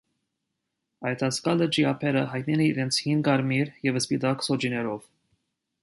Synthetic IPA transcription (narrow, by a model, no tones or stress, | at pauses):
ɑjt̪ʰɑskɑlət͡ʃiɑpʰɛɾəɦɑjt̪̚nɛlɛiɾɛnt͡sʰhinɡɑɾmiɾjɛvəspit̪ɑksɔd͡ʒinɛɾɔv̥